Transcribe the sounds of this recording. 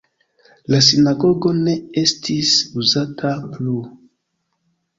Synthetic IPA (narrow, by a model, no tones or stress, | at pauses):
las̬inaɡo̞ɡo̞ne̞estʰisuzatʰaplu